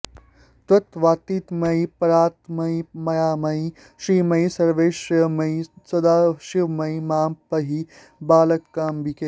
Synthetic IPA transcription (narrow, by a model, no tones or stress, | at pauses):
t̪ɐt̪ʋaːt̪iːt̪mɐjpɐɾaːt̪mɐimɐjaːmɐj | ʃɾiːmɐjsɐɾʋeːʃmɐisɐd̪aːʃiʋmɐjmaːmpɐɦi | baːlɐt̪kaːmbikeː